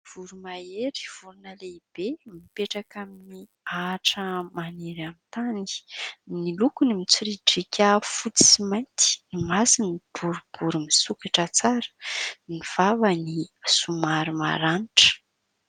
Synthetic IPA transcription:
v̥uɾumaeɾi̥v̥uɾunəleib̥emipeʈ͡ʂakamini | aʈ͡ʂəmaneɾamint̪aninilukunimit͡siɾiʈ͡ʂikʰʲafut͡si̥simajnt̪i̥nimasinib̥uɾub̥uɾumisukaʈ͡ʂət͡saɾə̥niv̥avəniasumaɾima̰ɾaniʈ͡ʂə̥

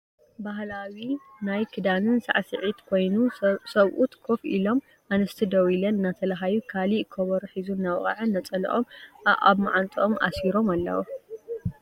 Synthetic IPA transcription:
baɦlawi | najkʰɨd̪anɨnsa̰ʕsɨʕit̪kʰo̞jnusɐβʔut̪ʰkʰofʔḭlo̞m | ʔanɐst̪ʰid̪ɐwilɐnɨnːat̪ʰɐlaɦajukʰalikʰːɐβɐɾuħizunːawχʼa̰ʕɨnːɐt͡sʼɐl̰ʔoma̰βmaʕant̪ʼʔomʔa̰siɾo̞malːɐ̰wo

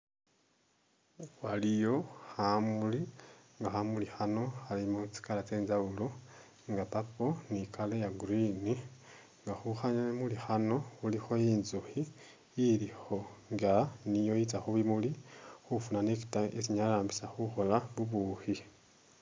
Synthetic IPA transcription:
walijo̞hamuliŋɡaxamulixano̞xalimut͡si̥kalat͡se̞ːnzaulo | ŋɡapapo̞nikalejaɡuɾini | ŋɡaxuxaɲaemulixano̞ulixo̞jiːnzuxiː | ɾixo̞ŋɡanijo̞jit͡saxuβimulixufunaneki̥taesiɲalaːmbisaxuxo̞laβuβuhi

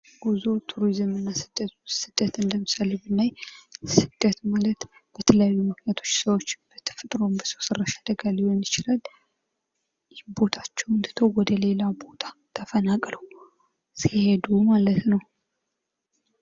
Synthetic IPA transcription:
ɡ̥uzo̞t̪ʰuɾizɨmɨnːasɨd̪̥ːət̪sɨd̪̥ət̪ɨnd̪əmɨsalebɨnːajsɨd̪̥ːət̪malət̪b̥ət̪ʰələjajːumɨknjat̪ʰo̞t͡ʃːsəwo̞t͡ʃːb̥ət̪ʰːfɨt̪ʼɾo̞mbəsowsərːaʃad̪əɡalːnit͡ʃɪlal | jɪhbo̞t̪ʰat͡ʃːɛwɨnd̪ɨt̪ʰowɔd̪əle̞labo̞t̪ʰḁt̪ʰəfənakʼləw | sihe̞d̪umalət̪nəw

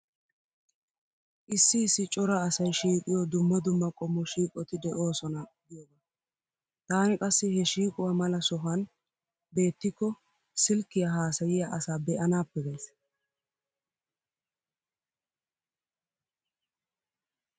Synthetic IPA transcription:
ʔɪsːɪːsːɪt͡ʃʼɔɾɐːsɐjʃiːkʼɪjɔd̪ʊmːɐd̪ʊmːɐkʼɔmːɔʃiːkʼɔt̪ɪd̪ɛʔo̞ːsɔnɐɡɪjɔɡɐ | t̪aːnɪkʼɐsːɪhɛʃiːkʼʊwamɐlɐsɔɦɐn | be̞ːt̪ːɪkːɔ | sɪlkːɪjaɦaːsɐjɪjaʔɐsaːbɛʔɐnaːpːɛɡɐjs

